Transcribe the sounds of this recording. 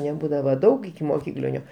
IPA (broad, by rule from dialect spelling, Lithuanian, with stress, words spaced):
nʲɛˈbuːdɐʋɐ ˈdɐʊk ɪkʲɪmoːˈkʲiːklʲɪnʲoː